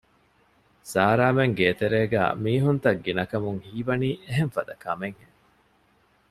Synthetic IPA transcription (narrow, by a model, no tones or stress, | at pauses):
saːɾaːmeŋɡeːt̪eɾeːɡæ̰ːmiːɦunt̪ɐɡːinɐkɐmuŋhiːʋɐniːʔeɦeɱfɐd̪ɐkɐmeŋhe